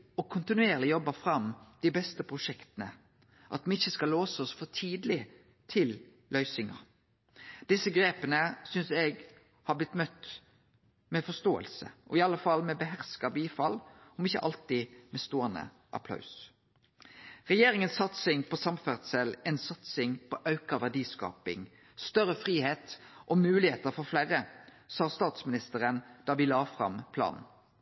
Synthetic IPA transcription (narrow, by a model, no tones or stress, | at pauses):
ɔkʰʊnt̪ɪnʉeːʁlɪjɔbəfɾɑmd̪̥iːbɛst̪əpʰʁʊʂɛkt̪ənə | ʔɑ̰t̪mɛɪçːəskɑloːsəɔsfɔʁt̪ʰiːd̪lɪ | t̪ʰɪl | lʔœʏsɪŋɑ̰ | d̪̥ɪsəɡʁeːpənəsʏnsɛɡ | hɑblɪt̪mœt̪ | mɛfɔst̪oːə̰lsə̰ʔɔ̰ɪɑlːəfɑlmɛbəɦæʁskɑbiːfɑlɔmɪçːə̰ʔɑ̰lt̪ɪmɛst̪oːənə̰ | ʔɑ̰pʰlɑ̰ʉs | ʁɛjeːɾɪŋənsːɑt̪sɪŋpɔsɑmfæʁsəlɛnsɑt̪sɪŋpʰɔʔɑʉkəʋæʁɖiːskɑ̰ːpɪ̰ŋ | st̪œɾəfʁiːheːt̪ʔɔmʉːlɪheːt̪əɾfɔɾflæːɾə | sɑːst̪ɑːt̪smɪnɪst̪əʁənd̪̥ɑːʋɪlɑːfʁɑ̰mpʰlɑ̰ːnn̩